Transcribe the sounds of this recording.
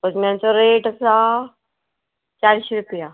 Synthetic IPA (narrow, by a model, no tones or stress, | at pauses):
bəd͡zmjant͡sɔɾeʈəsa | t͡ɕaɾiɕiɾupija